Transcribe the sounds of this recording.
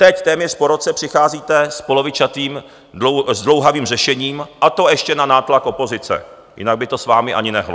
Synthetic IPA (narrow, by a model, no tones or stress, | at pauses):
t̪ɛct̪ɛːmɲɛʂpoɾot͡sɛpr̝̥ɪxaːziːt̪ɛspolo̞vɪt͡ʃat̪iːm | ozdlo̞wɦaviːmrɛʃɛɲiːmʔat̪o̞ɛʃcɛnanaːt̪lakʔo̞po̞zɪt͡sɛ̰ | jɪ̰naɡ̚bɪt̪o̞svaːmɪʔa̰ɲɪnɛɦlo̰